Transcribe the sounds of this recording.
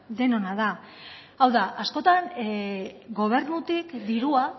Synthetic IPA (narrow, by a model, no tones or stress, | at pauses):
ðe̞no̞naða | awðaʔasko̞t̪an | ɡo̞β̞e̞ɾnut̪ikd̪iɾua